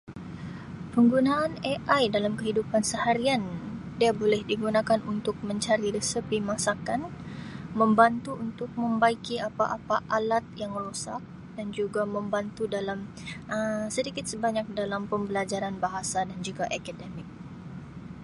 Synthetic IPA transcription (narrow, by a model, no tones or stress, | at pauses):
pəŋɡunaʔːneʔajdalamkəɦidupansəhaɾian | diabolɛhdiɡunakanunt̪ʊk̚məɲt͡ʃaɾiɾəsəpimasakanməmbant̪uunt̪ʊk̚məmbaikiapaʔapaʔalat̪̚jaŋrosak̚ | dand͡ʒuɡaməmbant̪udalam | ʔəsədikɪt̪̚səbaɲak̚dalampəmbəlad͡ʒaɾanbaɦasadand͡ʒuɡaʔakadɛmɪk̚